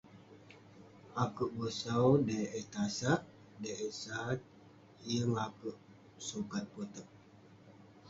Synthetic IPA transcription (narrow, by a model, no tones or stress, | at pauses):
akuʔbəsawdajʔet̪asaʔ | daʔəsat̪̚ | jəŋakuʔ | sukat̪̚pot̪ək̚